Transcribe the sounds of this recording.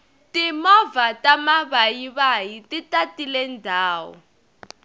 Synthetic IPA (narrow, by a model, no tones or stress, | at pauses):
timɔvatamaβajiβajititatilɛndʱaːwɔ̰